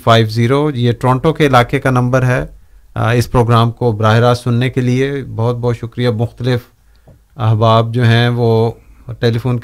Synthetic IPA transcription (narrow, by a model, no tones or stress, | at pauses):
faːɪʋziːɾojeʈɾɔ̃ːɳʈõkeɪlaːkekanɐ̃mbəɾɦɛ | ɪspɾoːɡɾaːmkobɾaːɦɪɾaːzsʊnːekeliebɐɦʊt̪̚bɔɦt̪ʃʊkɾijamʊxt̪əlɪf | ɐɦbaːb̚d͡ʒoːɦɛ̃ʋoːʈeːlifuːnk